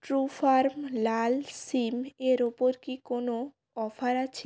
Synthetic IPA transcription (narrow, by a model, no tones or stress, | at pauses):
ʈɾufaɾmlalsimeɾopoɾkikono | ɔfaɾat͡ɕʰe